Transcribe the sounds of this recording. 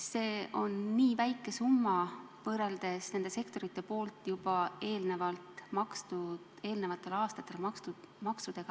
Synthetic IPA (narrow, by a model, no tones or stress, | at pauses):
se̞ːʔo̞nːiːvæjkːˑe̞sumːɑ | vɤːɾeld̪̥e̞sne̞nd̪e̞se̞kt̪o̞ɾit̪ːe̞po̞ːlt̪jub̥ɑe̞ːlne̞vɑlt̪mɑkst̪u | e̞ːlne̞vɑt̪ːˑe̞lɑːst̪ɑt̪ːˑelɑkt̪umɑksud̪̥e̞ɡ̥ɑ